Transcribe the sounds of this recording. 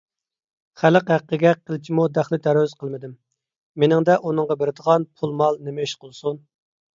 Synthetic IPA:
χæləqhæqːəɡʲɛqʰːəlˠt͡ʃʰimud̪æχlɪt̪ʰæɾwyz̥qʰəlˠmɪd̪ɪmː | enɪŋd̪ɛʔunɨŋʁɑbeɾɪd̪əʁɑnpʰulˠmɑlˠnemɪʃqəlˠsun

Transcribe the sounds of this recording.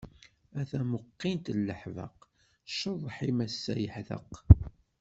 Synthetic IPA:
æθæməqːint̪əlːəħvə̰q | ʃəðˤːħimæsːæjəħðə̰q

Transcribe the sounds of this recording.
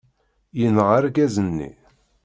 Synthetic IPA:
jənʁaɾɡæzənːḭ

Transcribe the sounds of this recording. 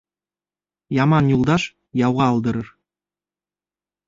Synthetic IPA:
jɑmɑnjulˠd̪ɑʃ | jɑwʁɑɑlˠd̪ɤ̆ɾɤ̆r

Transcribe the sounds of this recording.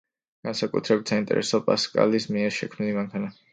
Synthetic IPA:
ɡ̥ansakʼṵt̪ʰɾɛbit̪ʰsaint̪ʼɛ̰ɾʔɛ̰sɔpʼaskʼa̰lismiɛɾʃɛkʰmnilimaŋkʰana

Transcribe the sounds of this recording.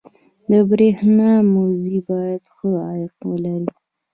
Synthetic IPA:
d̪əbɾehnɑmozibɑjad̪xəajɪqwəlaɾi

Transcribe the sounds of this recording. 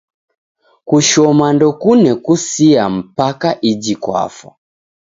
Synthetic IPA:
kuʃɔmandɔkunɛkusiam̩pakaʔid͡ʒikwa̰fɔ̰

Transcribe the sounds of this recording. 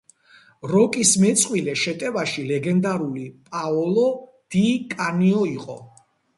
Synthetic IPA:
ɾɔkʼismɛt̪sʼqʼwilɛʃɛt̪ʼɛvaʃilɛɡɛnd̪aɾulipʼaɔlɔ | d̪̥ikʼaniɔiqʼɔ̰

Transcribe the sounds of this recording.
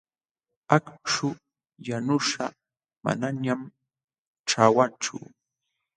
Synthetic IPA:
akʂʊ | janʊʂa | ma̰naɲam | ʈ͡ʂawant͡ʃʊ̰

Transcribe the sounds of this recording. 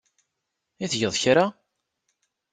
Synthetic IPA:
iθʝəðˤçɾa

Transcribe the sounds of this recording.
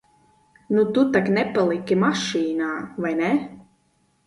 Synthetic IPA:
nut̪ut̪aknɛpalˠikʲimaʃiːnaːvajnɛ

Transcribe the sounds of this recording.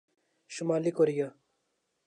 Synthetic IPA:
ʃumaːlikoɾija

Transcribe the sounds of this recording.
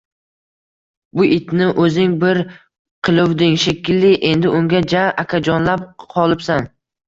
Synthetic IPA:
bʊʔɪt̪nɪʔɵzɪŋbɪɾ | qʰɨlˠʊwd̪ɪŋʃekʲʰːɪlːɪʔe̞nd̪ɪʔʊŋɡʲad͡ʒaʔakʲʰad͡ʒɒnlap̚qʰɒlˠɪpsan

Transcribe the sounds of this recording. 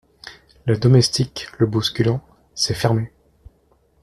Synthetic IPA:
ləd̪ɔmɛst̪ikləbuskʲylɑ̃ | sɛfɛʁme

